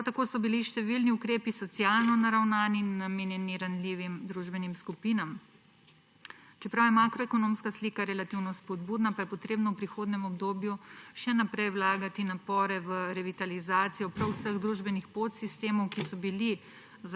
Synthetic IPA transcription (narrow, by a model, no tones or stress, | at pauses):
pɾawt̪akoːsɔbiliʃt̪ɛʋilniukɾeːpisɔt̪sijaːlnɔnaɾawnaːninːameːnjɛniɾanliːʋimd̪ɾuʒbɛnimskupiːnam | t͡ʃɛpɾawjɛmakɾɔɛkɔnoːmskasliːkaɾɛlat̪iwnɔspɔd̪buːd̪napajɛpɔt̪ɾeːbnɔwpɾixoːd̪nɛmɔbd̪oːbjuʃɛnapɾɛjwlaːɡat̪inapɔːɾɛʋəɾɛʋit̪alizaːt̪sijɔpɾawsəɣd̪ɾuʒbɛnixpot̪sist̪eːmɔwkisɔbili | z